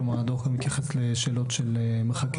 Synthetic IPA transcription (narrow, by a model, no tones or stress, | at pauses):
mad̪oχɡamit̪jaχesleʃeːlo̞tʃelemeχak